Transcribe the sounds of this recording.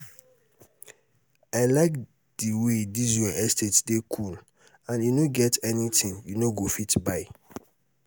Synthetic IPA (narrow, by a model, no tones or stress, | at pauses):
aɪlak | d̥iwedizɔʔɛstʰetdekʰul | ãnjunoɡɛtʰɛnitʰĩnjunoɡofitbaɪ